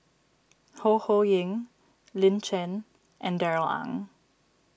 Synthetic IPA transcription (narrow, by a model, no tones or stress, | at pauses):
hohojɪ̃ŋ | lɪ̃nt͡ʃɛ̃n | ʔɛ̃ndɛɹəlã̰ŋ